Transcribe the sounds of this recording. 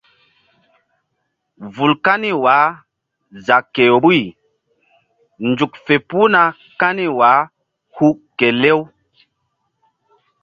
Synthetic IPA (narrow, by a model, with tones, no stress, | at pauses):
vu˨lka˦ni˦waː˨˦ | za˨kːe˨ɾu˦i˨ | nd͡ʒu˨kfe˨pu˦na˨ | ka˦ni˦wa˨˦ | hu˦ke˨le˦w